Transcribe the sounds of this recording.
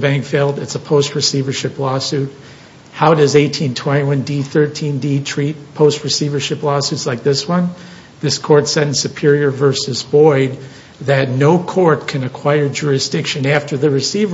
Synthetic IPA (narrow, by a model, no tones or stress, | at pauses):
bæ̃ŋkfeɪlˠdɨtsəpʰoʊst̚ɹɨsivə˞ʃɪplɔsʉt̚ | haʊɾʌzeɪtʰĩntʰw̥ɛ̃ɾ̃iwʌ̃ndiθɜ˞tʰĩnditʰɹ̥it̚pʰoʊst̚ɹɨsivə˞ʃɪplɔsʉtslaɪk̚ðɪswʌ̃n | ðɪskʰɔɹtsɛɾⁿn̩sɨpʰɪɹiə˞vɜ˞sɨzbɔɪd̪̚ | ðɨtⁿnoʊkʰɔɹt̚kʰɨ̃nɨkʰw̥aɪə˞d͡ʒʊɹɨsd̥ɪkʃɨ̃næftə˞ðɨɹɨsivə